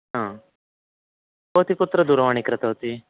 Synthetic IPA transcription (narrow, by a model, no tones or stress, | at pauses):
ɦã | boɦt̪iːput̪ɾəd̪uɾʋaɳ̃iːkɾət̪aɦot̪iː